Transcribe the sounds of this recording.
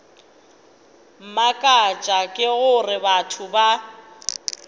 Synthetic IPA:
m̩makʼat͡ʃʼakʼɪɣʊrɪbatʰʊba

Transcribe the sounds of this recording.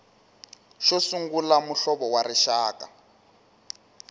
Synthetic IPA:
ʃɔsuŋɡulamuɬɔβɔwaɾiʃaːka̰

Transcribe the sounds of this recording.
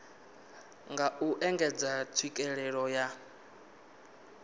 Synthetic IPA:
ŋɡauʔɛŋɡɛd͡zatʰwikʼɛɺɛɺɔja

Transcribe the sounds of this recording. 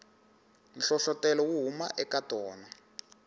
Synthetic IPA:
nɬɔɬɔtɛlɔwuɦumaʔɛkatɔːna

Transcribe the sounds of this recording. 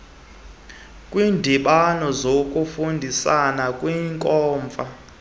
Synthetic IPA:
kʼwiːndʱiɓanɔzok̬ʼufundʱisanakʼwiŋkʼɔːɱb̪vʱa

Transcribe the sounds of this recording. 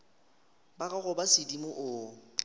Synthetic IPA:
baɣaɣʊbasɪdimʊʔʊ

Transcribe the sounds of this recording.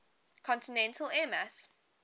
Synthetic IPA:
kʰɔ̃ntɪnɛ̃ntʰəlɛməs

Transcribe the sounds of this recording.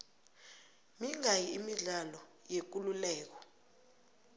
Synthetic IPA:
miŋajiimiɮalɔjek̬ululɛːk̬ɔ̥

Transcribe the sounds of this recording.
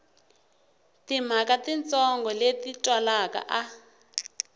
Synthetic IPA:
tim̤akatint͡sɔŋɡɔletitwalaka̰ʔa

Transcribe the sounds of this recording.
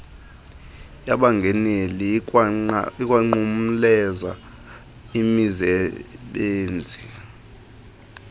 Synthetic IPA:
jaɓaŋɡʱɛneli | ikʼwaŋ͡ǃum̩lɛza | imizɛɓeːnd͡zʱi

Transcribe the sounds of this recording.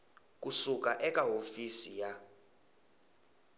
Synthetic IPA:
k̬usuk̬ʼaʔɛk̬ʼaɦofisija

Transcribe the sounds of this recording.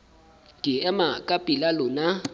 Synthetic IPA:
ɡʱʼiɛmakʼapʼilalʊna

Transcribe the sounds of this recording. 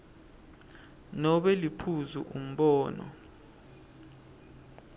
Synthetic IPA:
nɔɓɛlipʰuzuʔum̩ɓɔːnɔ̰

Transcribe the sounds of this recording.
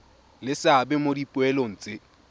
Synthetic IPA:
lɪsabɛmodipʼʊɛlon̩ːt͡sʼɪ

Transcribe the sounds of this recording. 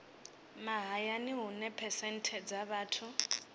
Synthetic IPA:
maɦajaniɦunɛpʰɛsɛn̩tʰɛd͡zaβaːtʰʊ

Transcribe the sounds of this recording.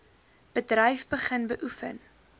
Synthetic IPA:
b̥ədrɛjfbəχənbəʔufə̰n

